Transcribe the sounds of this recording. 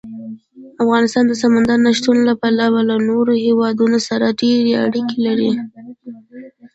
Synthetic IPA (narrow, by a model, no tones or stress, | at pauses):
afɣɑnɪst̪ɑnd̪əsamand̪aɾnaʃt̪unlapalawalanoɾohewɑd̪unosaɾaɖeɾea̰ɽikelaɾi